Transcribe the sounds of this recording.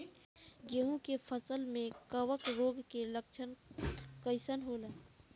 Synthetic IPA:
ɡeɦũkepʰəsəlmẽkəwəkɾoːɡkeləkt͡ʃʰənkəɪsənɦoːlaː

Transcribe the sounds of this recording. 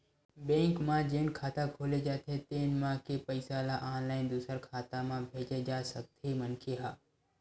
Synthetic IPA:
bẽːŋkmãd͡ʒeːnkʰaːt̪akʰoːled͡ʒaːt̪ʰet̪eːnmãkepəɪsalaːʔaːnlaːɪnd̪uːsəɾkʰaːt̪amãbʱeːd͡ʒed͡ʒaːsək̚t̪ʰemənkʰeɦaː

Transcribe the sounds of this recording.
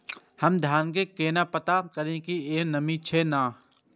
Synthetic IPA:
həmd̪ʱjaːnkekeːnapət̪akɐɾẽkieːnəmĩt͡ʃʰenaː

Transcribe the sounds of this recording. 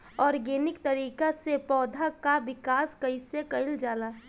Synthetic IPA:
ɔːɾɡeːnɪkt̪əɾiːkasepɔːd̪ʱakabɪkaːskɐɪsekɐɪld͡ʒaːlaː

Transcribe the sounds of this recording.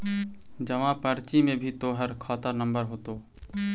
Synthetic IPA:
d͡ʒəʋãpəɾt͡ʃimẽbʱit̪oːɦəɾkʰɔːt̪anəmbəɾɦoːt̪oː

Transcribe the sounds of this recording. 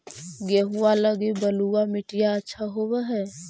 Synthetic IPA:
ɡeɦualəɡibəluwamɪʈijaətːʃʰaɦobɛɦɛː

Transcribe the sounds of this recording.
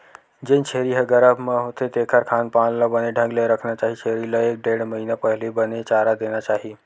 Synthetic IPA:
d͡ʒɪ̃nt͡ʃʰeːɾiɦɐɡəɾamə̃ɦʊt̪ʰet̪eːkʰəɾkʰaːnpaːnlabəneɖʱə̃ŋɡlaɾɐkʰnat͡ʃaːɦit͡ʃʰeːɾilaeːk̚ɖeːɽməɦiːnapɐɦlebɐnet͡ʃaːɾad̪eːnat͡ʃaːɦi

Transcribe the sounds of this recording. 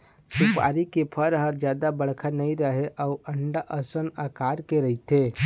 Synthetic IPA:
supa̰ːɾikepʰəɾɦəɾd͡ʒjad̪abəɽ̤kʰanəiɾəɦeʔauəɳɖaʔəsənəkaɾkeɾəɦit̪e

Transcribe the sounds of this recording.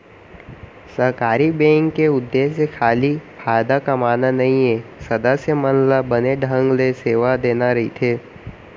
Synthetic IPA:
sɐɦkaːɾibɛ̃ːŋkːeʊd̪ːeːsekʰaːlipʰaːd̪akɐmaːnanɐɦĩẽsɐd̪əsjəmənlabɐneɖʱə̃ŋɡleseːʋad̪eːnaɾɐɦit̪ʰeː

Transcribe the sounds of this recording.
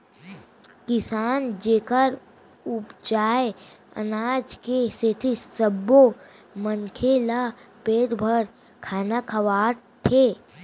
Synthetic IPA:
kɪsaːnd͡ʒeːkəɾ | ʊpd͡ʒaːe | ə̰naːd͡ʒkeset̪ʰisəbːo | məŋkʰelapeːd̪bʱəɾ | kʰaːnakʰɐʋaːɾ | ʈ̪ʰeː

